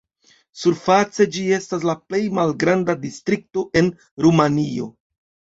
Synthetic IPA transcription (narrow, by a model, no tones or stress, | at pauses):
suɾfat͡se̞d͡ʒie̞stas̬laple̞jmalɡɾandadistɾik̚to̞ʔe̞n | ɾumanio̞̰